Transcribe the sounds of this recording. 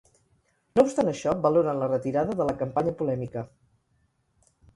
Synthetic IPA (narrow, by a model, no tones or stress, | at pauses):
noupst̪anəʃɔbəloɾənlərət̪iɾaðəðələkəmpaɲəpulɛmikə